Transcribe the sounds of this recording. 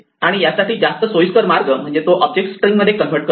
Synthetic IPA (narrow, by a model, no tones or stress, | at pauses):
aɽ̃ijasaʈiːd͡zast̪əsojuskəɾmaɾɡəm̤əɳd͡zet̪oʔəb̚d͡ʑek̚ʈsʈɾĩŋɡməd̪ʱːjekənʋəɾʈ̚kə